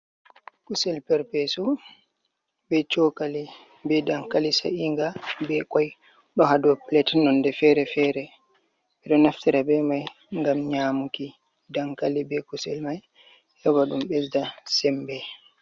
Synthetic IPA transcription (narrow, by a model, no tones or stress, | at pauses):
kusɛlpɛɾpɛsu | bɛt͡ʃɔkali | bɛdaŋkalisa̰ʔiŋɡabɛkɔj | ɗɔɦaduaplɛtnɔndɛfɛɾɛfɛɾɛ | ɓɛɗɔnaftiɾabɛmaj | ŋɡamɲaːmuki | daŋkalibɛkusɛlmaj | hɛwaɗumbɛsdasɛmbɛ